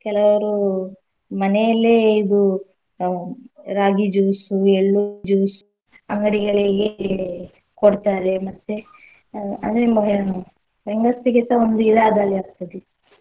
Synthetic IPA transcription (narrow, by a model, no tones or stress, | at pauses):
kɛlɐʋɐɾu | mɐnejɐlːeːid̪u | ɾaːɡid͡ʒuːsueɭːud͡ʒuːsu̥ | ɐŋɡɐɽiɡɐɭiɡe | koɽt̪aːɾemɐt̪ːe | ɐ̰d̪mɐɦ | bɛŋɡɐsiɡit̪ɐond̪uilaːd̪alːiaːɡ̚t̪ɐd̪e